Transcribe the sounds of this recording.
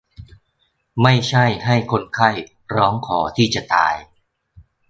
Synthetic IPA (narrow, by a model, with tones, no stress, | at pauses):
ma˥˩jt͡ɕʰa˥˩jha˥˩jkʰo˧nkʰa˥˩j | ɾɔː˦˥ŋkʰɔː˩˦t̪ʰiː˥˩t͡ɕa˨˩t̪a̰ː˧j